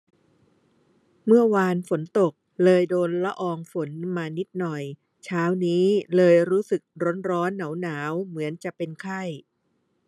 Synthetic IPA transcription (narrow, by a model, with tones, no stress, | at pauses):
mɯ˥˩ɐwaː˧nfo˩˦nt̪o˨˩k̚lɤː˧jdoː˧nla˦˥ʔɔː˧ŋfo˩˦nmaː˧ni˦˥t̪̚nɔ˨˩j | t͡ɕʰaː˦˥wniː˦˥lɤː˧jɾuː˦˥sɯ˨˩k̚ɾo˦˥nɾɔː˦˥nːa˩˦wnaː˩˦wmɯ˩˦ənt͡ɕa˨˩ʔpe˧nkʰa˥˩j